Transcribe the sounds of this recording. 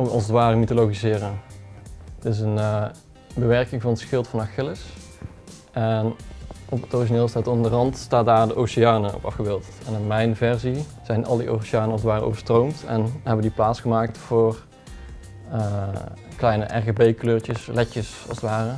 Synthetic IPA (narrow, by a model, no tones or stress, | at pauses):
ɔkɑ̰lˠsətʋaːrəmitoloɣizɪːrən | ds̬ənə | bəʋɛɹkɪŋvɑnətsxɪlˠtfɑnaxɪlɪs | ʔɛnʔɔpətoriʃineːlˠstaːtɔndərɦɑntstaːt̚daːɹdəʔowsiaːnəɔ̰pɑ̰fxəbeːlˠt | ɛnɪnmɛjnvɛɹzi | z̥ɛjnʔɑ̰lˠdiʔo̰siaːnəɑlzətʋaːrʔo̰wvəɹstrowmtɛ̰nɦɛbədiplaːtsχəmaːk̚tfʊːr | ə | klɛjnəʔɛ̰ɹɣebejkløːɹt͡ʃəslɛcəsɑ̰sətʋaːrə